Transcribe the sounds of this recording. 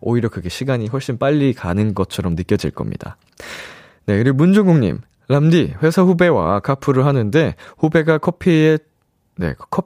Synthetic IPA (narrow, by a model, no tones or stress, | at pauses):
o̰iɾjʌkɯɡe̞ɕʰiɡaɲiɸwʌɭɕ͈inp͈aʎːikanɯnɡʌt̚t͡ɕʰʌɾʌmnɯk͈jʌd͡ʑḭɭk͈ʌ̰mɲḭda̰ | ne̞kɯɾiɡomund͡ʑoɡuŋɲḭm | lamdiɸwe̞sʰaɸube̞wa̰kʰapʰɯɾɯɭɦanɯnde̞ɸube̞ɡakʰʌpʰie | ne̞̰kʰʌ